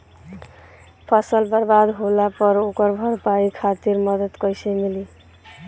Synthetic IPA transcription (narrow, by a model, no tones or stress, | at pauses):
pʰʌsəlbəɾbad̪ɦolapʌɾokʌɾbʱʌɾpaikʰat̪iɾmʌd̪əd̪kʌjsemili